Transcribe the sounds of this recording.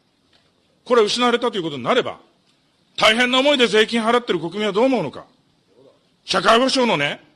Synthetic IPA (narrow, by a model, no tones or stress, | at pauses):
ko̞ɾe̞ɯ̟ɕinaβaɾe̞t̪at̪oiɯ̟kot̪oɲĩnaɾe̞ba̰ | t̪aiɦẽnːaomo̞id̪e̞ze̞ːkʲĩɰ̃ɦaɾat̪ːe̞ɾɯ̟ko̞kɯ̟mʲĩβad̪o̞ːmoɯno̞ka̰ | ɕakaiho̞ɕo̞ːno̞ne